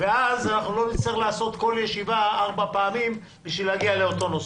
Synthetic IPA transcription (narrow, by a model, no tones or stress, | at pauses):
veazanaχnulo̞mit͡seχlaːso̞t̪ko̞ljeʃivaaʁbapaːmim | biʃvilaɡialeo̞t̪o̞nos